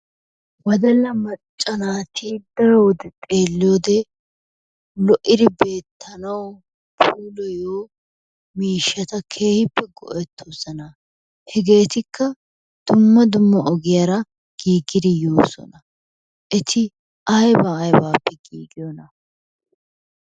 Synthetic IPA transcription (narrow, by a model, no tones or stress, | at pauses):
wɐd̪ɐlːɐmɐt͡ʃt͡ʃʼːɐnaːt̪id̪ɐɾwɔd̪ɛt̪ʼeːlːɪjoːd̪ɛ | lɔʔɪd̪ɪbe̞ːt̪ʰːɐnɐw | pʰuːlɔjoː | miːʃːɐt̪ɐkʰe̞ːhɪpːɛɡɔ̰ʔɛt̪ʰːosɐnɐ | hɛɡe̞ːt̪ɪkʰːɐ | d̪̥ʊmːɐd̪ʊmːɐʔɔɡɪjɐɾɐ | ɡ̥iːɡɪd̪ɪjoːsɔ̰nɐ | ʔɪt̪ʰɪ | ʔɐjbɐːjbaːpːɛɡḭːɡɪjɔnɐ